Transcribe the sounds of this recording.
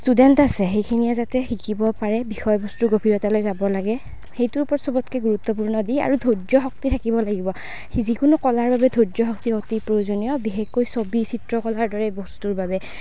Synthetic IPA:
studɛntasɛxejkʰinijazatɛxikibɔpaɹɛbixɔjbɔstuɡobʱiɹɔtalojzabɔlaɡɛ | xejtuɹpɔɹsɔbɔtkɛɡuɹut̪ːɔp̬uɹnɔdia̰ɹudʱodɔxɔk̚titʰakibɔlaɡibɔ | zikʊnʊkɔlaɹbabɛdʱodzɔxɔktiɔktipɹojozonijɔbiɦekːojsobisitɹɔkɔlaɹdɔɹɛbɔstuɹbabɛ

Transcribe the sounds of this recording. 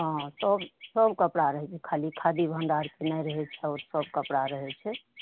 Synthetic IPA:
ɦə̃səbsəbkəpɽaɾəɦɛt͡ʃʰɛkʰalikʰad̪ibʱənɖaɾkenɛɾəɦɛt͡ʃʰɛaɔɾsəb̚kəpɽaɾəɦɛt͡ʃʰɛ

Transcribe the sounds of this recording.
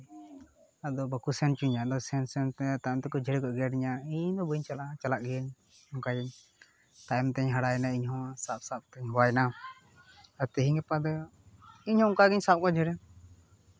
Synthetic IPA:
ad̪ɔbakusɛnt͡ʃuɲad̪ɔsɛnsɛnt̪ɛt̪ajmt̪ɛkɔd͡ʒʱɛɽɛkɔʔɡɛaɖiɲaiɲd̪ɔbəɲt͡ʃalat͡ʃalaʔ̚ɡɲ | ɔŋkaɡɛɲ | t̪ajmt̪ɛɲɦaɽajɛnaiɲɦɔ̃sap̚sap̚t̪ɛɲɦɔwajɛna | at̪ɛɦiŋɡɛpad̪ɔ | iɲhɔ̃ɔŋkaɡɛɲsap̚kɔd͡ʒʱɛɽɛ

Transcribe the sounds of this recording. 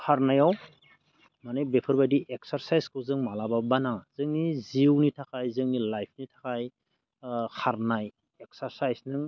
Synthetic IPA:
kʰaɾnajaw | manɯjbepʰɯɾbadiʔek̚saɾsajskʰɯwzɯŋmalababanaz̥ɯŋniziwnitʰakʰajzɯŋnilajpʰnitʰakʰaj | kʰaɾnaj | ek̚saɾsajsnɯŋ

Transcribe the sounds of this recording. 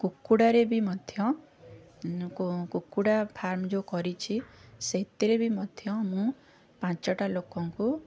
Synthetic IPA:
kukːuɽaɾebʱimɔd̪ʱjɔ̃ | kukːuɽapʰaɾmd͡ʒokɔɾit͡ʃʰiseɦt̪iɾebʱimɔd̪ʱjɔmũ | pãt͡ʃɔʈalokɔŋku

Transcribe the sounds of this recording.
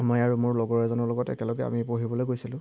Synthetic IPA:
mɔjaɹumʊɹlɔɡɔɹɛzɔnɔlɔɡɔtɛ̰kɛlɔɡɛa̰mipoɦibɔlojɡojsilʊ̃

